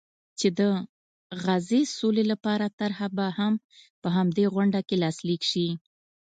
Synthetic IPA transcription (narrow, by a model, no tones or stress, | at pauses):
t͡ʃed̪ə | ɣazesolelapɑɾat̪aɾhabaham | pəɦamd̪eɣʊɳɖakelɑslikʃi